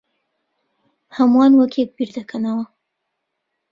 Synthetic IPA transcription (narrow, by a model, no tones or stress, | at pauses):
hamwɑnwəkʰek̚biɾd̪akʰanawa